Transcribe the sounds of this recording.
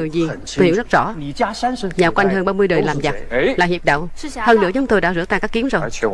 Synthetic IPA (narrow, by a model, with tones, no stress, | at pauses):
ɨ˨˩əjzi˨˩˧ | əwzə˦˥t̚z̥ɔ̰˧˥˧ | ɲaː˨˩kwa˧jŋɦəː˧nɓaː˧mɨ˧əjɗəː˨˩laː˨˩mza˨˩laː˨˩hi˨˩p̚ɗa̰˧˨whəː˧nɨ̰˧˥ət͡ɕʊ˨˦ŋ͡mt̪o˧jɗa̰ː˧˥zɨ̰˧˥ət̪aː˧˩kaː˦˥kːi˨˦əmzo˨˩j